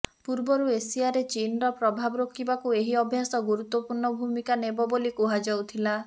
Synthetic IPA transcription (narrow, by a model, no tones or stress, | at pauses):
puɾbɔɾuesiaɾet͡ʃinɾɔpɾɔbʱabɔɾokʰːibakueɦiɔbʱjasɔɡuɾut̪ːɔpuɾɳɔbʱumikanebɔbolikuɦad͡ʒawt̪ʰila